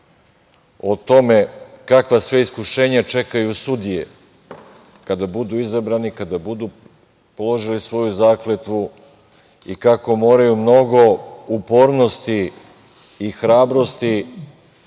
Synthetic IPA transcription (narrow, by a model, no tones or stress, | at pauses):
ot̪o̞me̞kakʋasʋe̞iskuʃe̞ːɲat͡ʃe̞kajusud̪ijḛ | kad̪abud̪uːizabɾaːnikad̪abud̪uː | polˠo̞ʒilisʋo̞juzaːklet̪ʋu | ḭkako̞mo̞ːɾajumno̞ɡo̞upo̞ːɾno̞st̪iː | xɾaːbɾo̞st̪i